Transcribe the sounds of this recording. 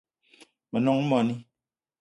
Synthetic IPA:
mə˨nɔ˦ŋ̩˦mɔ˨ni˦

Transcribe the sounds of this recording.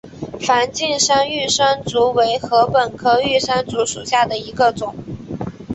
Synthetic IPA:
fa˧˥nt͡ɕi˥˩nʂa˥ny˥˩ʂa˥nt͡su˧˥we˧˥ɪxɤ˧˥pə˨˩nkʰɤ˥y˥˩ʂa˥nt͡su˧˥ʂu˨˩ɕja˥˩d̪ə˩i˧˥ɡə˧t͡sʊ˨˩˦ŋ

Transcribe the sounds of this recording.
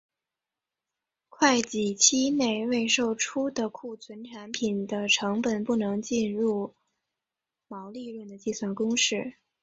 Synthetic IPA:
kʰwa˥˩ɪt͡ɕi˨˩t͡ɕʰi˥ne˥˧ɪwe˥˧ɪʂo˥˩ʊʈ͡ʂʰu˥d̪ə˨kʰu˥˩t͡sʰwə˧˥nʈ͡ʂʰa˧˥npʰi˨˩nd̪ə˦ʈ͡ʂʰɤ˧˥ŋpə˨˩npu˥˩nɤ˧˥ŋt͡ɕi˥˧nɻu˥˩ | mɑ˧˥ʊli˥˧ɻwə˥˩nd̪ə˩t͡ɕi˥˧swa˥˩nkʊ˥ŋʂɻ̩˥˩

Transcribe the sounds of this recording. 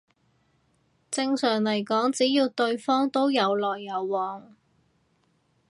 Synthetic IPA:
t͡sɪ˧ŋsœː˨˩ŋlɐ˨˩jkɔː˨˥ŋt͡siː˨˥jiː˧wt̪ɵ˧ɥfɔː˥ŋt̪o˥wjɐ˨˧wlɔː˨jːɐ˨˧wːɔː˨ŋ

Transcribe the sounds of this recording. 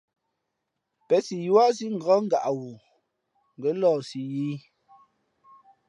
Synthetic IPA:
pɛ˨˦si˨jwa˦s̬i˦ŋ̩˨ɡa˦ŋ˦ɡa˨ʔa˨wu˨ | ŋ˨ɡɛ˨˦lɔː˦˨si˨jiː˦

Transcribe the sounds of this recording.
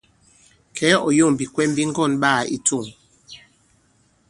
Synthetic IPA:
kʰɛ˨˦ɔ˨jo˦˨bi˨kwɛ˦m˦bi˦ŋ˦ɡɔ˦˨nɓa˦˨ḭ˦tu˦˨ŋ

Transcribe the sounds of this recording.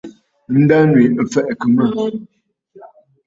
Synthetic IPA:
n̩˦da˦nwi˨fɛ˦ʔkə˨mə˦˨

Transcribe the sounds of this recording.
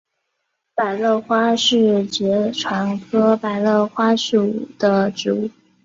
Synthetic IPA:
pa˨˩ɪlɤ˥˩xwa˥ʂɻ̩˥˩t͡ɕjɛ˧˥ʈ͡ʂʰwa˧˥nkʰɤ˥pa˨˩ɪlɤ˥˩xwa˥ʂu˥˩˨ṵ˨˩d̪̥ə˦ʈ͡ʂɻ̩˧˥u˥˩

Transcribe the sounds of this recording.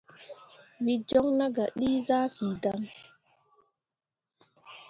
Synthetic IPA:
ɓi˦d͡ʒɔ˦ŋna˦ɡa˨ɗiː˦za˦ki˨da˦m

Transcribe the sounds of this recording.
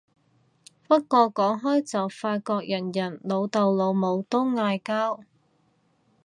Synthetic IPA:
fɐ˥t̚kɔː˧kːɔː˨˥ŋɦɔː˥jt͡sɐ˨wfaː˧tkɔː˧k̚jɐ˨˩njɐ˨˩nlo˨˧wt̪ɐ˨wlo˨˧wmo˨˧wt̪ʊ˥wŋaː˧jkaː˥w

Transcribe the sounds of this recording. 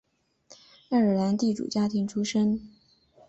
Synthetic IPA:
a˥˩ə˞˨˩la˧˥nt̪i˥˩ʈ͡ʂṵ˨˩t͡ɕja˥t̪ʰi˧˥ŋʈ͡ʂʰu˥ʂə˥ŋ

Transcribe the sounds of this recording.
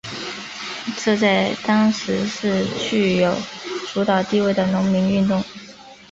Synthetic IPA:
ʈ͡ʂɤ˥˧t͡sa˥˩ɪt̪ɑ˥ŋʂɻ̩˧˥ʂɻ̩˥˧t͡ɕʰy˥˩jo˨˩ʊʈ͡ʂu˧˥t̪ɑ˨˩ʊt̪i˥˧we˥˩ɪd̪ə˩nʊ˧˥ŋmi˧˥ny˥˧nt̪ʊ˥˩ŋ

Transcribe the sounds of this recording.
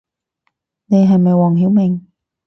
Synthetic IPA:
ne˧jɦɐ˨˩jmɐ˨˩jwɔː˨˩ŋɦi˨˦wmɪ˨˩ŋ

